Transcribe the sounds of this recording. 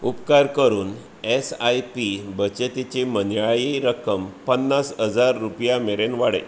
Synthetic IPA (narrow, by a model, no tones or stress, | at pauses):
upkaɾkəɾuːn | esajpibət͡ɕet̪et͡ɕemənajiɾəkəmpənːasɦəd͡zaɾːupjameɾenʋaɽḛ